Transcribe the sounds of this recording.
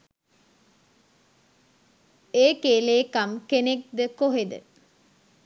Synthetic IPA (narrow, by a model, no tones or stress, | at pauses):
eːkeːleːkamkenek̚d̪əkoɦed̪ə̰